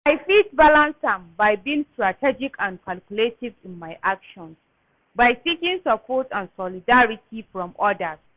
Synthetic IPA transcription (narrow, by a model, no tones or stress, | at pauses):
ajfitbalãnsãmbajbĩːŋstɹatʰɛd͡ʒikʰãnkʰalkjuletivĩnmajʔakʃɔ̃ns | bajtikĩŋsapʰɔtãnsɔlidaɹitʰifɹɔ̃mɔdas